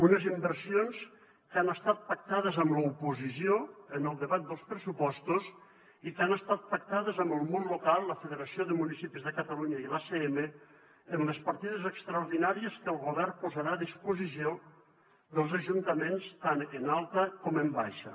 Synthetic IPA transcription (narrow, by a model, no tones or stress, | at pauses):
unəzimbərsions | kanəst̪at̪̚pak̚t̪aðəzəmləupuzis̬joənəlˠd̪əβat̪̚d̪əlˠspɾəsupɔst̪us | ikanəst̪at̪̚pək̚t̪aðəzəmbəlˠmonlukalˠːəfəðəɾəsioðəmunisipizðəkət̪əluɲəilaseemə | ənləspɐɾt̪iðəzəkst̪ɾəuɾðinaɾiəskəlˠɣuβɛrpuzəɾaðispuzisio | ðəlˠzəʒunt̪əmenst̪anənalˠt̪əkɔməmbajʃə̰